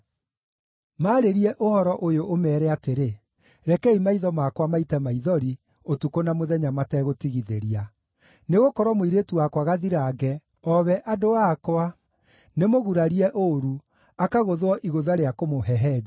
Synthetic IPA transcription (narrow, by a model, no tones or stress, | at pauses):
maːɾeɾiɛʔohɔɾɔʔojoʔomɛːɾɛateɾe | ɾɛkɛimaiðɔmakwamaitɛmaiðɔɾi | otukonamoðɛɲamatɛɣotiɣiðeɾia | neɣokɔɾɔmoiɾetuwakwaɣaðiɾaːɡɛ | ɔβɛʔadoakwa | nemoɣuɾaɾiɛʔoɾu | akaɣoðwɔʔiɣoðaɾeakomoɦɛɦɛːd͡ʒ